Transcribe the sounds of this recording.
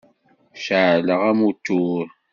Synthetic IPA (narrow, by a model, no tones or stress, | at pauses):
ʃaʕləʁæmut̪ːuɾ